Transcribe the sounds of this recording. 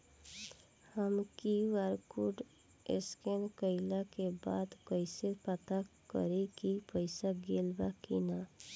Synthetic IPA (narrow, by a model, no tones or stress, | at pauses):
həmkiʋaɾkuɖ | ḛskenkəɪlakeba̰ːd̪kəɪsepət̪akə̰ɾekipəɪsaɡeːlbakina